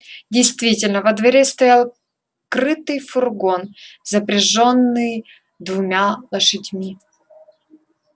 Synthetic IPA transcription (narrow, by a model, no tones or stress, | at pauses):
dʲɪjst̪vʲitʲɪlʲnəvəd̪vɐɾʲest̪ɐjalˠ | kɾɨt̪ɨjfʊrɡo̞nzəpɾʲɪʐonːɨj | d̪vʊmʲalˠəʂɨdʲmʲi